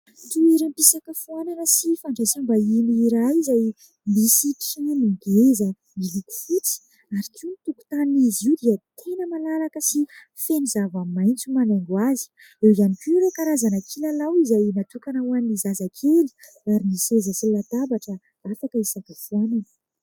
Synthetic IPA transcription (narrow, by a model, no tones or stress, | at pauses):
t̪ueɾimpisakəfuananəsifaɳɖ͡ʐasimbainiiɾajzaj | misiinimiɡezə | miliku̥fut͡si̥ | aɾikʰiunit̪uku̥t̪aniniziwd̪iət̪ʰenəmalalakəsi | fenizavammajnt͡sumanaŋɡwazi̥ | ewizanipiɾokaɾazanakʰilalawizajnat̪ukanawaniizazakʰeli̥ | aɾinisezəsilat̪abaʈ͡ʂə | afakəisakafuananə